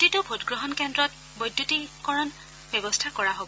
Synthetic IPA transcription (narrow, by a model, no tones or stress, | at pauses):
titʊbʱotɡɹɔɦɔnkɛndɹɔt̚ | bɔjdːjutikɔɹɔn | bɛbɔstʰakɔɹaɦobɔ